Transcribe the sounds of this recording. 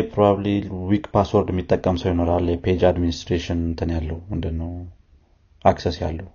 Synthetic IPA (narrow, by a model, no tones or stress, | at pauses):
pʰɾobabliwikʼpʰaswɔɾd̪ɛmːit̪ʼːəkʼːəmsəwjɪno̞ɾalːjɛpʰed͡ʒad̪minist̪ɾeʃɪnnt̪ʰɨnjalːəhumɨnd̪ɨnːəw | aksesja̰lːəu